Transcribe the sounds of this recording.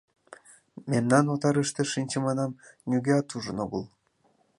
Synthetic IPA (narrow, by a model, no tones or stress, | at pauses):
memnɑnot̪ɑɾəʃt̪ĕʃinʲt͡ɕĕmɑnɑmnʲyɡʲeɑt̪uʒənoɣəlˠ